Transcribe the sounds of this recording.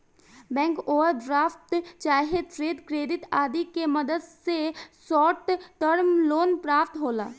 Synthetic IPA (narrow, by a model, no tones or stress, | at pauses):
bɛ̃ːŋkoːʋəɾd̪ɾaːfʰt̪t͡ʃaːɦɪd̪pɾeːd̪kɾeːd̪ɪt̪aːd̪ikemɐd̪əd̪sesɔːɾʈ̪ʈəɾmloːnpɾaːpt̪ɦoːlaː